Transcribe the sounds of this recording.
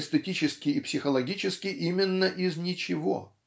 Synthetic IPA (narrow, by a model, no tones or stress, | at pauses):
st̪ətʲit͡ɕɪskʲɪɪpsʲɪxəlˠɐɡʲit͡ɕɪskʲɪʔimʲɪnːəʔɪznʲɪt͡ɕɪvo̰